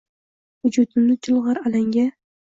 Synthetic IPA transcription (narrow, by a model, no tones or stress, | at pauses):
ʊd͡ʒʊt̪ɪmnɪt͡ʃʰʊlˠʁɑɾalaŋɡʲa